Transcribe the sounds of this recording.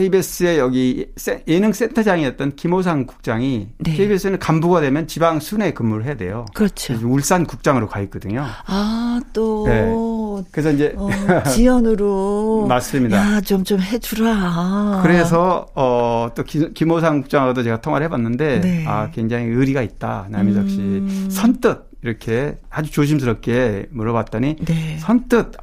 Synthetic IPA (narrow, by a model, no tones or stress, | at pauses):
kʰeibes͈ɯe̞jʌɡis͈eenɯŋs͈e̞ntʰʌd͡ʑaŋiʌt̚t͈ʌnkimos̬ʰaŋku̥k̚t͡ɕ͈aŋinekʰeibes͈ʰɯnɯnkambuɡadwe̞mjʌnt͡ɕibaŋsʰune̞kɯmːuɾɭɦe̞jadwe̞̰jokɯɾʌt͡ɕʰod͡ʑuɭs͈ankuk̚t͡ɕ͈aŋɯɾokait̚k͈ʌdɯɲoat͈one̞kɯɾes̬ʰʌind͡ʑeijʌnɯɾomas͈ɯmɲidat͡ɕomt͡ɕomɦed͡ʑuɾaakɯɾe̞s̬ʰʌʌt͈okikimosʰaŋɡuk̚t͡ɕ͈aŋodot͡ɕe̞ɡatʰoŋwaɾɭhe̞bwanːɯnde̞nakwe̞ŋd͡ʑaŋiɯɾiɡait̚t͈a̰namisʰʌk̚ɕ͈isʰʌnt͈ɯd̚iɾʌkʰe̞had͡ʑut͡ɕoɕ̬ʰims̬ʰɯɾʌp̚k͈e̞muɾʌβwat̚t͈ʌɲinesʰʌnt͈ɯd̚